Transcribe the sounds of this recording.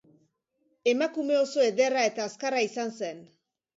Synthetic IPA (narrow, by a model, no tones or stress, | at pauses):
e̞makume̞o̞soe̞ðe̞rae̞t̪aːskaraisanse̞n